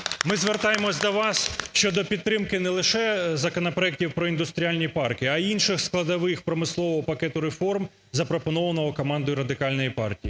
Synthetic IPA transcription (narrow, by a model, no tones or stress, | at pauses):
mɪzʋert̪ɑjemɔsʲd̪ɔʋɑsʃt͡ʃɔd̪ɔpʲid̪t̪ːɾɪmkɪnɛlˠɪʃɛzɐkɔnɔpɾɔɛk̚tʲiwpɾɔind̪ʊst̪ɾʲialʲnʲipɑrkɪɐinʃɪxsklˠɐd̪ɐʋɪxpɾɔmɪslˠɔʋɔɦɔpɐkɛt̪ʊɾefɔrm | zɐpɾɔpɔnɔʋɐnɔɦɔkɔmɑnd̪ɔjɾɐd̪ɪkɑlʲnɔjipɑrtʲiji